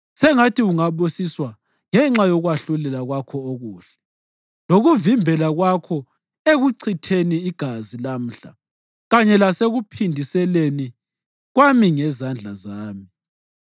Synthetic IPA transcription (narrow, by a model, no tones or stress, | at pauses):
sɛŋatʰiuŋaɓosiswa | ŋɛŋ͡ǁajɔɣwaɬulɛlaɣwakʰɔoɣuːɬɛ̥ | loɣuvimbʱɛlaɣwakʰɔ | eɣuǀʰitʰeniːɡ̥ʱazilam̩ɬa | ɣaɲɛlaseɣupʰindʱisɛleni | ɣwamiŋɛzand͡ɮʱazaːmi